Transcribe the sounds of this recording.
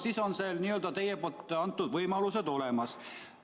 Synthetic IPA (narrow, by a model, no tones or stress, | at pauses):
siso̞nselniːøld̪ɑt̪e̞jepoːlt̪ːˑɑnt̪ːud̪̥vɤjmɑlused̪o̞lemɑs